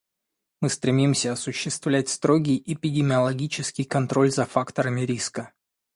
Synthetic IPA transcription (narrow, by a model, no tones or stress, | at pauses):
mɨst̪ɾʲɪmʲimsʲəɐsʊɕːɪst̪vlʲæt̚ʲst̪ɾo̞ɡʲɪjɪpʲɪdʲɪmʲɪɐlˠɐɡʲit͡ɕɪskʲɪjkɐnt̪ɾo̞lʲzɐfakt̪əɾəmʲɪɾʲiskə